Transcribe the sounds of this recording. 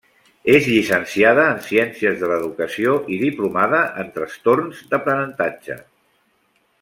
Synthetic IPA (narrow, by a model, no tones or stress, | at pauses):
ezʎisənsiað̞əːnsiɛnsiəzðələðukəsioʔiðiplumaðəʔənt̪ɾəst̪oɾnzd̪əpɾənənt̪ad͡ʒə̰